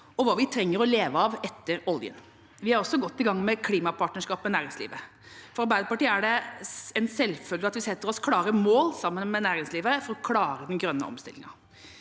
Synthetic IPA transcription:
ɔʋɑːʋɪt̪ʰɾɛŋːəɾɔleːʋəɑʋɛt̪ːəɾɔljə̰n | ʋɪæɾɔsːɔɡɔt̪ːɪɡɑŋːmɛkʰliːmɑpʰɑʈnəʂkɑːpmɛnæːɾɪŋslḭːʋə | fɔɾɑɾbæɪd̪əpɑʈiːəæɖɛɛnsɛlːfœlɡəɑt̪ʋɪsɛt̪ːəɾɔskʰlɑːɾəmoːlsɑmːənmɛnæːɾɪŋsliːʋəfɔɾɔkʰlɑːɾəd̪ɛnɡɾœnːə̰ɔ̰mst̪ɪ̰lːɪ̰ŋɑ̰

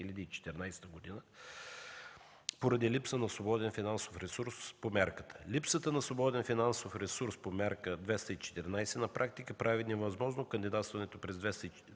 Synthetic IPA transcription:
ilʲɐd̪iːt͡ʃɛ̥t̪ɛɾnajsɛ̥t̪əɡod̪inə | poɾɐd̪ilipsənɐsvobɔd̪ɛnfinansofɾɛsuɾspomʲaɾkə̥t̪ʰə̥lʲipsət̪ənɐsvobɔd̪ɛnfinansofɾɛsuɾspomʲaɾkəd̪vɛst̪əit͡ʃɛ̥t̪ɛɾnajsɛnɐpɾʔak̚t̪ikəpɾavinɛvɐzmɔʒnokənd̪id̪at̪st̪vɐnɛt̪opɾɛzd̪vɛst̪əi

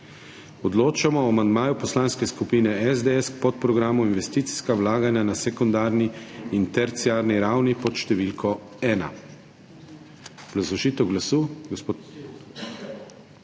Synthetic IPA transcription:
ɔd̪loːt͡ʃamɔamand̪maːjupɔslaːnskɛskupiːnɛɛzd̪eɛskpɔt̪̚pɾɔɡɾaːmuinʋɛst̪iːt̪si̥skawlaːɡanjanasɛkɔnd̪aːɾniːnt̪ɛɾt̪sijaːɾniɾawnipɔt̪ʃt̪ɛʋilkʰɔ | ɛːna̰ | ɡ̥lazɔʒiːt̪ɛwɡlasuɡsp

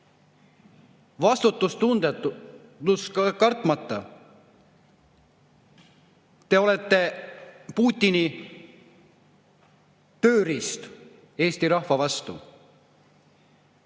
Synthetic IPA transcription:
vɑst̪ut̪ːˑust̪und̪et̪ | uskkɑrt̪ˑmɑt̪ːˑɑ | t̪e̞o̞le̞t̪ːe̞puːt̪ʲːˑini | t̪øːɾist̪ | e̞ːsʲt̪iɾɑhvɑvɑst̪ṵ

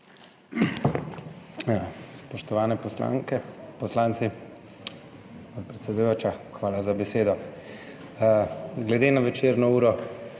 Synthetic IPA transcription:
spɔʃt̪ɔʋaːnɛpɔsla̰ŋkɛpɔslaːnt̪si | pɔt̪̚pɾɛt̪sɛd̪ujoːt͡ʃaxʋaːlazabɛseːd̪ɔ | ɡlɛd̪eːnaʋɛt͡ʃeːɾnɔuːɾɔ

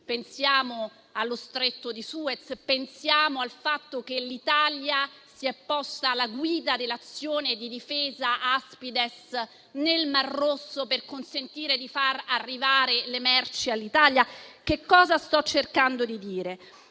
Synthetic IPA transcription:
pensjaːmo | alːost̪ɾet̪ːod̪isuet̪spensjaːmoalfat̪ːokelːit̪aljasiɛpːɔst̪aːlːaɡwiːd̪ad̪elːat̪sːjoːned̪id̪ifeːzaʔaspid̪es | nelmarːosːoperkonsent̪iːɾed̪ifararːivaːɾelemɛrt͡ʃialːit̪aljakekːɔːzast̪ɔt͡ʃːerkand̪od̪id̪iːɾe

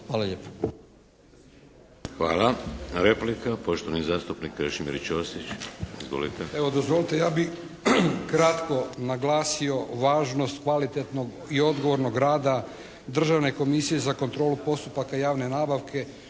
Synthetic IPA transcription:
xʋaːlaʎeːpḁ | xʋa̰ːlaɾeplikapoʃt̪oʋanizaːst̪upnikɾeʃimḭɾt͡ʃost̪it͡ɕizʋo̰lit̪eeʋod̪ozʋo̞lit̪ejaːbi | kɾat̪ko̞naɡlaːsio̞ʋaːʒno̞st̪kʋalit̪e̞t̪no̞ɡ | io̞d̪ɡo̞ʋo̞ɾno̞ɡɾaːd̪a | d̪r̩ʒaʋne̞ko̞misije̞zako̞nt̪ɾo̞ːlupo̞st̪upakajaːʋne̞naːbaʋkʰe̞

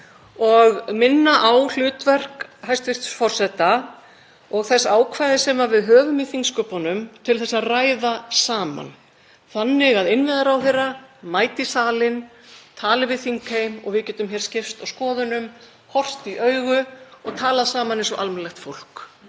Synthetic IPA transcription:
ɔɣmɪnːaʔawl̥ʏːt̪vɛr̥khajst̪vɪr̥t̪fɔr̥sɛt̪a | ɔɣθɛsaːwkʰvaːjðɪsɛmavɪðɦœːvʏmɪθiŋkskœpɔnʏmt̪ʰɪlθɛsːaðraːjðasaːma̰n | θanːɪɣaðɪnvɪðaɾawθejɾamaːjt̪ɪsaːlɪn | t̪ʰaːlɪvɪðθiŋkʰejmɔ̰ɣvɪðcɛːt̪ʏmçɛɾ̥scɪft̪awskɔːðʏnʏm | hɔr̥t̪iʔœɥɣʏɔɣt̪ʰaːlaðsaːmanensɔʔalmɛnlɛxt̪fowl̥k

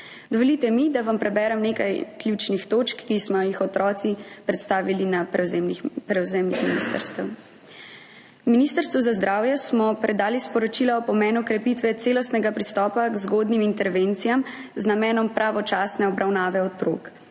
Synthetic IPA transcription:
d̪ɔʋɔlit̪ɛmid̪aʋampɾɛbɛːɾɛmneːkajklʲjut͡ʃnixt̪oːt͡ʃkːismɔjixɔt̪ɾɔːt̪sipɾɛt̪st̪aːʋilina | pɾɛwzɛːmnixminist̪ə̰ɾst̪ɛw | miniːst̪əɾst̪ʋuzazd̪ɾaːwjɛsmɔpɾɛd̪aːlispɔɾɔt͡ʃilaɔpɔmɛːnukɾɛpit̪ʋɛt̪seːlɔst̪nɛɡapɾist̪ɔːpaɡzɡoːd̪nimint̪ɛɾʋent̪sijamznamɛːnɔmpɾʔaʋɔt͡ʃaːsnɛɔbɾʔawnaːʋɛɔt̪ɾoːk

